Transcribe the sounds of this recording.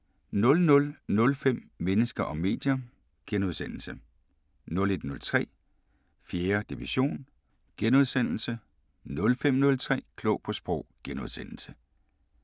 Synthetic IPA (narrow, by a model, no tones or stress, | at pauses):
nɔ̽lnɔ̽lnɔ̽lfem̰menəsɡ̥ɐʔɒ̽mːe̝̰ːd̥jɐ | ɡ̥enuðˠsen̰l̩sə | nɔ̽le̝d̥nɔ̽lt͡sʰʁɛ̰ː | fjeːɐd̥iʋiɕo̝̰ːn | ɡ̥enuð̞ˠsen̰l̩sə | nɔ̽lfem̰nɔ̽lt͡sʰʁɛ̰ːkʰlɔ̽ʊpʰɒ̽sb̥ʁɔʊ̰ɡ̥enuðˠsen̰l̩sə